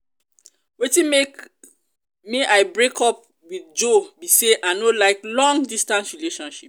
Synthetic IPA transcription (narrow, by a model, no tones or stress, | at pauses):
wetĩme | miʔaɪbɹekʰɔp̚ | wiðd͡ʒobiseʔanolaɪklɔ̃ŋdistãnsɹileʃɔ̃nʃip̚